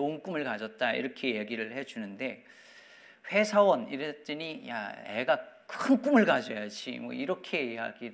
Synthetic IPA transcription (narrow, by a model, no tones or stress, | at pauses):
onk͈umɯɭkad͡ʑʌt̚t͈aḭɾʌkʰe̞je̞ɡiɾɯɭhe̞d͡ʑunɯnde̞ | ɸwe̞sʰawʌniɾet͡ɕ͈enija̰ḛɡakɯnk͈umɯɭkad͡ʑʌjad͡ʑḭmwʌ̰iɾʌkʰeɡiɦa̰ɡi